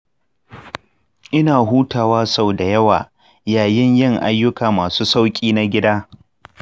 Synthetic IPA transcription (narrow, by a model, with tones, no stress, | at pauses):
ʔɪ˦naː˨ɦuː˦taː˨waː˦sa˦˨wda˨jɐ˦waː˨ | jaː˨jɪ˦ɲjɪ˦˨ŋʔa̰˦jːʊ˦kaː˨maː˨suː˦sa˦wkʲʼiː˦na˦ɡʲɪ˦daː˦